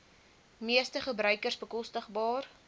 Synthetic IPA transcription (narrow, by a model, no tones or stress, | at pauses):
miəstəχəbrœɥkərsbəkɔstəχbɑːr